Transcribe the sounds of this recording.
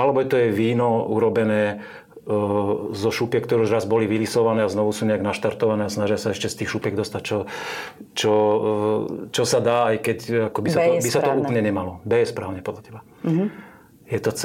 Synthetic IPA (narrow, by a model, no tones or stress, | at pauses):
alɛbɔjɛt̪ɔjɛʋiːnɔṵɾɔbɛnɛː | zɔʃupɛkt̪ɔɾɛuʒɾazbɔliʋilisɔʋanɛːaznɔʋusuːɲɛaɡnaʃt̪aɾt̪ɔʋanɛːasnaʒɪasaɛʃcɛst̪iːxʃupjɛɡd̪ɔst̪act͡ʃɔ | t͡ʃɔ | t͡ʃɔsad̪aːajkɛcakɔbisabisat̪ɔuːp̩ɲɛɲɛmalɔbɛjɛspɾaːʊɲɛpɔd̪lacʰɛba | jɛt̪ɔt͡s